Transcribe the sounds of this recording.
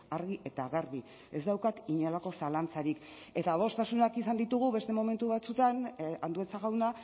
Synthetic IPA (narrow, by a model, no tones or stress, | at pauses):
aɾɣiʔe̞t̪aɣeɾβi | e̞zd̪awkat̪iɲelako̞salant͡saɾik | e̞t̪aβo̞st̪asunakisand̪it̪uɣuβe̞st̪e̞mo̞me̞nt̪uβat͡sut̪anand̪ue̞t͡saɣ̞awna